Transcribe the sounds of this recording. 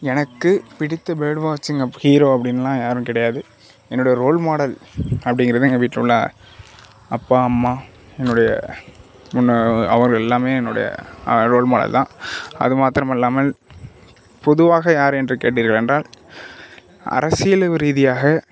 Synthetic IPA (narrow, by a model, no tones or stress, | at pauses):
ɛnɐkːɯpɪɽɪt̪ːɐbeːɖʋaːt͡ʃːɪŋɐhiːɾoːɐpːɐɽɪnːɐlːãːjaːɾɯmkɪɽɐjaːðɯ | ɛnːɯɽɐjɐɾoːɭmaːɽɐlɐpːɐɽɪŋɡɪɾɐðɯŋɡɐʋiːʈːʊɭːɐ̰ | ɐpːaːɐmːaː | ɛnːʊɽɐjɐ̰ | mʊnːɐʋɐɾɣɐɭɛlːaːmeːɛnːʊɽɐ̰jɐ̰ɾoːɭmaːɽɐ̰lt̪ãːɐ̰ðɯmaːt̪ɪɾɐmɪlːaːmɐl | pɔðɯʋaːɣɐjaːɾɛndrɯkḛːʈ̬ːiːɾɣɐɭɛndraːl | ɐ̰ɾɐsɪjɐlɐʋɯɾiːðɪjaːɣɐ